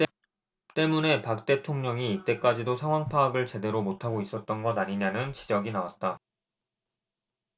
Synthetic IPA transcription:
t͈e̞mune̞pak̚t͈e̞tʰoŋɲʌŋiːt͈e̞k͈ad͡ʑidosʰaŋɦwaŋpʰaːɡɯɭt͡ɕe̞de̞ɾomotʰaɡois͈ʌt̚t͈ʌnɡʌdaɲiɲanɯnt͡ɕid͡ʑʌɡinawat̚t͈a

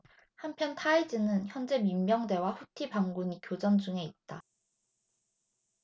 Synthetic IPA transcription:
hampʰjʌntʰaid͡ʑinɯnçjʌnd͡ʑe̞mimːjʌŋde̞waɸutʰibaŋɡuɲikjod͡ʑʌnd͡ʑuŋe̞it̚t͈a

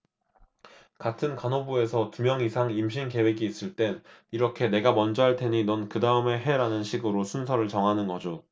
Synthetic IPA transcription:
katʰɯnkanobue̞sʰʌtumjʌŋisʰaŋimɕʰinke̞we̞ɡiːs͈ɯɭt͈e̞niɾʌkʰe̞ne̞ɡamʌnd͡ʑʌɦaɭtʰe̞ɲinʌnkɯdaɯme̞ɦe̞ɾanɯnɕʰiɡɯɾosʰunsʰʌɾɯɭt͡ɕʌŋɦanɯnɡʌd͡ʑo

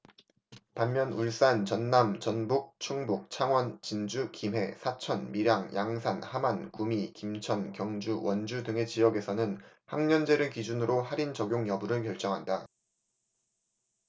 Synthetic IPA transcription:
panmjʌnuɭs͈ant͡ɕʌnːamt͡ɕʌnbuk̚t͡ɕʰuŋbuk̚t͡ɕʰaŋwʌnt͡ɕind͡ʑukimɦe̞̰sʰat͡ɕʰʌnmiɾjaŋjʔaŋsʰanhamankumikimt͡ɕʰʌnkjʌŋd͡ʑuwʌnd͡ʑudɯŋe̞t͡ɕijʌɡe̞sʰʌnɯnhaŋɲʌnd͡ʑe̞ɾɯkid͡ʑunɯɾohaɾint͡ɕʌɡjoŋjʌbuɾɯɭkjʌɭt͡ɕ͈ʌŋɦanda

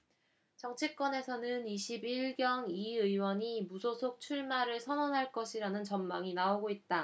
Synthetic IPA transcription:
t͡ɕʌŋt͡ɕʰek͈wʌne̞sʰʌnɯniɕʰibiɭɡjʌŋiɯjwʌɲimusʰosʰok̚t͡ɕʰuɭmaɾɯɭsʰʌnʌnɦaɭk͈ʌɕʰiɾanɯnt͡ɕʌnmaŋinaoɡoit̚t͈a

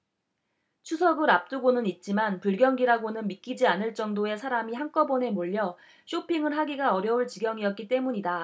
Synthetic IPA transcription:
t͡ɕʰusʰʌɡɯɾap̚t͈uɡonɯnit̚t͡ɕ͈imanpuɭɡjʌŋɡiɾaɡonɯnmik͈id͡ʑianɯɭt͡ɕ͈ʌŋdoe̞sʰaɾamiɦaŋk͈ʌbʌne̞moʎːʌ | ɕʰopʰiŋɯɭɦaɡiɡaʌɾjʌuɭt͡ɕiɡjʌŋiʌt̚k͈it͈e̞muɲida

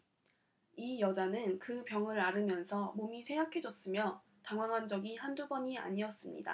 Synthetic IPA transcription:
ijʌd͡ʑanɯnkɯpjʌŋɯɾaɾɯmjʌnsʰʌmomisʰeŋɡakʰe̞d͡ʑʌs͈ɯmjʌ | taŋɦwaŋɦand͡ʑʌɡihandubʌɲia̰ɲiʌs͈ɯmɲḭda̰

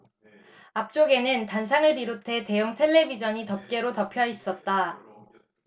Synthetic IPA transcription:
ap̚t͡ɕ͈oɡe̞nɯntans̬ʰaŋɯɭpiɾotʰe̞te̞juŋtʰe̞ɭːe̞bid͡ʑʌɲitʌp̚k͈e̞ɾotʌpʰjʌis͈ʌt̚t͈a

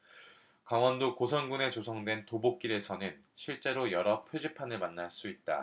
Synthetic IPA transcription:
kaŋwʌndokosʰʌnɡune̞t͡ɕosʰʌŋdwe̞ntobok̚k͈iɾe̞sʰʌnɯn | ɕʰiɭt͡ɕ͈e̞ɾojʌɾʌpʰjod͡ʑipʰanɯɭmanːaɭs͈uit̚t͈a̰

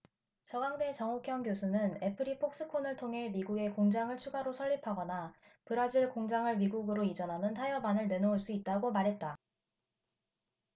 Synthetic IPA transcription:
t͡ɕʌɡaŋde̞t͡ɕʌŋukʰjʌŋɡjosʰunɯne̞pʰɯɾipʰok̚s͈ɯkʰonɯɭtʰoŋɦe̞miɡuɡe̞koŋd͡ʑaŋɯɭt͡ɕʰuɡaɾosʰʌʎːipʰaɡʌna | pɯɾad͡ʑiɭkoŋd͡ʑaŋɯɭmiɡuɡɯɾoid͡ʑʌnɦanɯntʰajʌbanɯɭne̞nouɭs͈uit̚t͈aɡomaɾɦe̞t̚t͈a

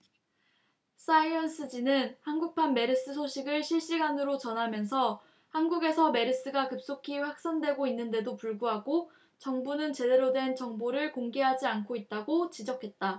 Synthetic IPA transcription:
s͈aiʌns͈ʰɯd͡ʑinɯnhanɡuk̚pʰanme̞ɾɯs͈ɯsʰoɕʰiɡɯɭɕʰiɭɕ͈iɡanɯɾot͡ɕʌnɦamjʌnsʰʌ | hanɡuɡe̞sʰʌme̞ɾɯs͈ɯɡakɯp̚s͈okʰiɸwak̚s͈andwe̞ɡoinːɯnde̞dopuɭɡuɦaɡo | t͡ɕʌŋbunɯnt͡ɕe̞de̞ɾodwe̞nt͡ɕʌŋboɾɯɭkoŋɡe̞ɦad͡ʑiankʰoit̚t͈aɡot͡ɕid͡ʑʌkʰe̞t̚t͈a

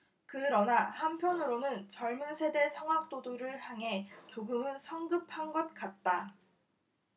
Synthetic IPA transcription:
kɯɾʌnahampʰjʌnɯɾonɯnt͡ɕʌɭmunsʰe̞de̞sʰʌŋɦak̚t͈oduɾɯɭhjaŋɦe̞t͡ɕoɡɯmɯnsʰʌŋɡɯp̚ʰhaŋɡʌt̚k͈at̚t͈a

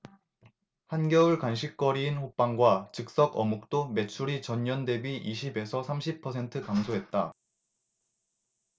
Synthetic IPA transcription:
hanɡjʌuɭkwanɕʰik̚k͈ʌɾiːnɸop͈aŋɡwat͡ɕɯk̚s͈ʌɡʌmuk̚t͈ome̞t͡ɕʰuɾit͡ɕʌɲːʌnde̞biʔiɕʰibe̞sʰʌsʰamɕʰipʰʌsʰe̞ntʰɯkamsʰoɦe̞t̚t͈a

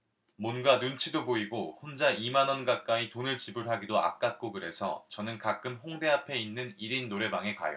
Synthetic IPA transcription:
mʌnɡanunt͡ɕʰidoboiɡohond͡ʑaʔimanʌnɡak͈aitonɯɭt͡ɕibɯɭɦaɡidoa̰k̚k͈ak̚k͈oɡɯɾe̞sʰʌ̰t͡ɕʌnɯnkak͈ɯmɸoŋde̞apʰe̞inːɯniɾinːoɾe̞baŋe̞ka̰jʌ̰

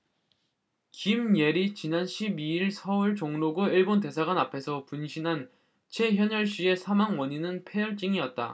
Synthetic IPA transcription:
kimje̞ɾit͡ɕinanɕʰibiiɭsʰʌuɭt͡ɕoŋnoɡoiɭbonte̞sʰaɡwanapʰe̞sʰʌpunɕʰinɦan | t͡ɕʰe̞çjʌɲʌɭɕ͈ie̞sʰamaŋwʌɲinɯnpʰe̞jʌɭt͡ɕ͈iŋiʌt̚t͈a̰

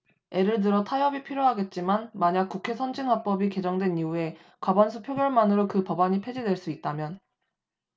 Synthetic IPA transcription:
e̞ɾɯɭt̬ɯɾʌtʰajʌbipʰiɾjoɦaɡe̞t̚t͡ɕ͈imanmaɲak͈̚ukʰe̞sʰʌnd͡ʑinɦwap͈ʌbike̞d͡ʑʌŋdwe̞niue̞ | kwabansʰupʰjoɡjʌɭmanɯɾokɯpʌbaɲipʰe̞d͡ʑidwe̞ɭs͈uit̚t͈amjʌn

